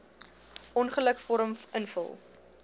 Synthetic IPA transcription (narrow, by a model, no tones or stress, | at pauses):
ʔɔnχələkfɔɾəmənfə̰lˠ